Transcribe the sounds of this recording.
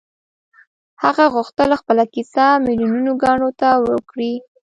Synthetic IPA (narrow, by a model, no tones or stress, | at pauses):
haɣaɣʊxt̪əlxpəlakisamiljununoɡɑɳot̪awəkɽi